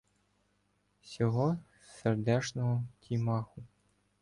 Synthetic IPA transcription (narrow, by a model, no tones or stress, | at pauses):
sʲɔɦɔ | serd̪ɛt͡ʃnɔɦɔkʲʰimɑxʊ